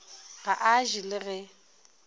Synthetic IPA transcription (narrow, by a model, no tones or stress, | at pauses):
ɣaʔaʒilɪɣɛ